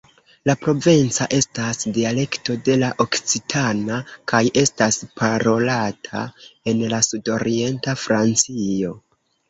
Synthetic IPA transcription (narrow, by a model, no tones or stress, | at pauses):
lapɾo̞vint͡saʔe̞stasdiale̞kto̞de̞laʔo̞kt͡sitʰanakajʔe̞staspʰaɾo̞latʰa̰e̞nlasudo̞ɾie̞ntafɾant͡sio̞